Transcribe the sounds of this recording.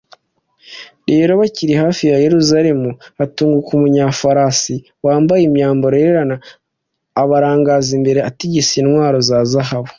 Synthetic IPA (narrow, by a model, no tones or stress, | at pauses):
ɾe̞ːɾo̞βaciɾihaːfijaje̞ɾuzaɾe̞muatuːŋɡukumuɲafaɾasi | waːmbajemɲaːmbo̞ɾeɾeɾanaː | βaɾaːŋɡazimbe̞ɾeatiɟisinwaːɾo̞zaːzahaβo